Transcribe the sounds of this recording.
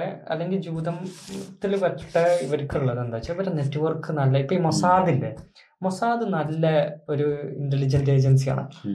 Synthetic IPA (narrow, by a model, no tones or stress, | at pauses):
ɐ̰lːe̞ŋɡild͡ʑuːd̪ɐmt̪ːilʋɐʈːʈːɐiʋɐɾukʲːɐɭuɭːɐðend̪aːt͡ɕːɐɐʋɐɾene̞ʈːʋɐrkːɨnɐlːɐipːɐːɭmosaːðilːe | mosaːðɨnɐlːɐo̞ɾuindelid͡ʑɐnde̞ːd͡ʑɐns̬ija̰ːɳɨ̰